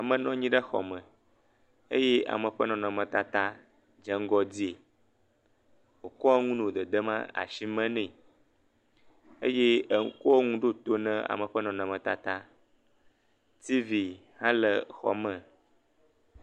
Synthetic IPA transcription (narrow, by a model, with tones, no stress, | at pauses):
a˨mə̃˨nɔ̃˦ɲĩ˦ɖə˦xɔ̰˨mə̃˨ | e˦je˦a̰˨mə̃˨ɸə˦nɔ̃˨nɔ̃˨mə̃˨t̪a˨t̪a˦ | d͡ʒə˦ŋ˦ɡɔ˦di˦e˨ | wo˨kɔ˦ŋũ˦nõ˨d̪ə˨d̪ə˦mã̰˦a̰˨ʃi˦mɛ̃˦nɛ̃˦˨ | e˦je˦˨˦ko˦o˦ŋũ˦ɖo˦t̪o˦nɛ̃˦a̰˨mə̃˨ɸə˦nɔ̃˨nɔ̃˨mə̃˨t̪a̰˨t̪a˦ | t̪i˦vi˨ | hã˦lə˨xɔ̰˨mə̃˨